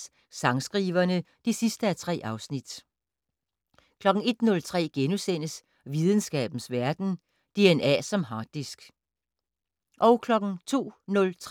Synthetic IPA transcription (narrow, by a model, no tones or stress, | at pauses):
sɑ̈ŋsɡ̥ʁiːʋɐnəd̥isisd̥əæt͡sʰʁɛ̰ːʔɑ̈ʊsnid̥ | kʰlɒ̽ɡ̥ŋ̩e̝d̥nɔ̽lt͡sʰʁɛ̰ːɡ̥enusen̰əs | ʋið̞ˠən̩sɡ̥ɛ̰ːb̥n̩sʋæɐd̥n̩ | d̥e̝enæ̰ːsɒ̽mɦɑ̈ːd̥isɡ̥ | ʔɒ̽ʊkʰlɒ̽ɡ̥ŋ̩t͡sʰo̝̰ːnɔ̽lt͡sʰ